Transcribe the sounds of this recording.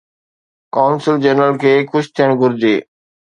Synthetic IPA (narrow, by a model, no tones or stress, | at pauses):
kaːʊnsɪld͡ʑenɾəlkʰeːkʰʊʃt̪ʰijəɽ̃ɡʱʊɾd͡ʑeː